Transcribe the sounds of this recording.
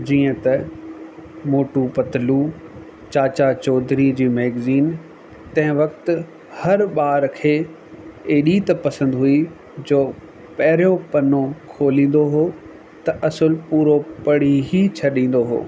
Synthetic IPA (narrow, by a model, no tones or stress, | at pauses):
d͡ʑiːə̃t̪ɐ | moːʈupɐt̪ɪlu | t͡ɕaːt͡ɕat͡ɕɔːd̪ɾid͡ʑiːmeːɡziːn | t̪ɐ̃ɦɪ̃ʋɐkt̪ɪ̆ | hɐɾɓaːɾkʰeː | eːɗit̪ɐpɐsə̃nd̪ɦui | d͡ʑoː | pɐɦɪɾijõpɐnõkʰoːlĩːn̆d̪oɦoː | t̪ɐʔɐsəlpuːɾopɐɽ̤iɦit͡ɕʰɐɗĩːn̆d̪oɦo̰ː